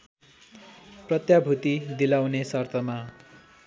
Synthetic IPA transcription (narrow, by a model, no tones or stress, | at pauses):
prʌt̪jabʱut̪id̪ilawnesʌrt̪ʰʌma